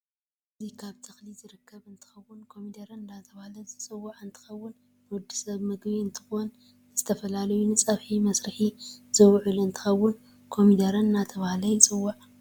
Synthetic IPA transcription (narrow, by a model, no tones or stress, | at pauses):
ɨzikʰaβt̪ʰɐxlizɨɾɨkʰːɐβɨnt̪ʰɨ̥xɐwːʊnkʰo̞mid̪ɐɾɐnnat̪ʰɐβahlɐzɨt͡sʼɨwːaʕɨnt̪ʰɨ̥xɐwːʊn | nwɔd̪ːi̥sɐβmɨɡbiɨnt̪ʰɨ̥xon | zɨt̪ʰɐfɐlalɐjunɨt͡sʼɐβħimɐsɾɨħizɨwʕuluɨnt̪ʰɨ̥xɐwːʊn | kʰo̞mid̪ɐɾɐnnat̪ʰɐβahlɐjɪt͡sʼɨwːaʕ